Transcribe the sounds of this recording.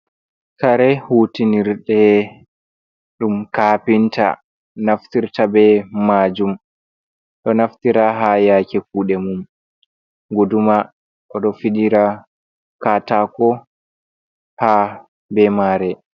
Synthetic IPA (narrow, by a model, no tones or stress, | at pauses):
kaɾɛhuːtiniɾɗɛ | ɗumkapinta̰ | naftiɾtabɛmad͡ʒum | ɗɔnaftiɾaɦajakɛkuːɗɛmum | ɡoduma | ʔɔɗɔfiɗiɾa | kaːtakɔ | ha | bɛmaːɾɛ